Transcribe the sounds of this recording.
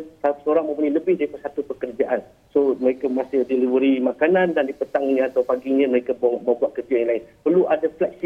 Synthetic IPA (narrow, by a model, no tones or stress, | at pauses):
sasəoɾaŋmə̃mpuɲaləbɪhdaɾipasat̪upəkərd͡ʒaʔan | soməɾekamasɪhdiləbəɾimakanãndandipət̪aŋiɲãat̪awpaɡiɲə̃məɾekamə̃buat̪̚kət̪iajaŋlaɪnpərluʔadaflɛk̚si